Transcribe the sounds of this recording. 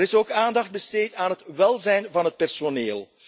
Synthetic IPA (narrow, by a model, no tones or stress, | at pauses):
ɾɪsoːkaːndɑxd̚bəsteːtaːnɦətʋɛlˠzɛjnvɑnɦət̚pɛrsoneːlˠ